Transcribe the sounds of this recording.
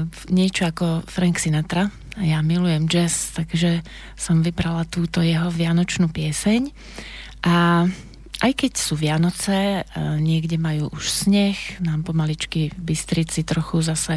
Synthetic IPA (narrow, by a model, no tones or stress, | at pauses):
ɲɪɛt͡ʃɔakɔfɾaŋksinat̪ɾa | jamilujɛmd͡ʒɛst̪aɡʒɛ | sɔmʋibɾalat̪uːt̪ɔjɛɦɔʋɪanɔt͡ʃnuːpɪɛsɛɲ | ʔa | ʔajkɛcsuːʋɪanɔt͡sɛɲɪɛɡɟɛmajuːʔuʃsɲɛxnaːmpɔmalit͡ʃkibist̪ɾit͡sit̪ɾɔxuzasɛ